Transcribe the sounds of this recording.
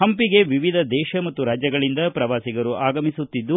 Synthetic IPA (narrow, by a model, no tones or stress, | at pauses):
ɦɐmpiɡe̞ʋiʋid̪ʱɐd̪ɛːʃɐmɐt̪ːuɾaːd͡ʒjɐɡɐɭind̪ɐpɾɐʋaːsiɡɐɾuʔaːɡɐmisut̪ːid̪ːu